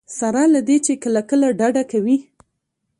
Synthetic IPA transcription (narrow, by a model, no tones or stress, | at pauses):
saɾɑlad̪et͡ʃekəlakəlaɖaɖakawi